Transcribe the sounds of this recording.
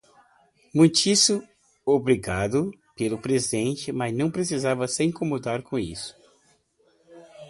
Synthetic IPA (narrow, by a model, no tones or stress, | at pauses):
mũj̃t͡ʃis | obɾiɡad̪ʊ | pelʊpɾezid̪ẽnt͡ʃɪmaznɐ̃w̃pɾesizavɐsɪĩŋkomod̪aɾkõḭsʊ̥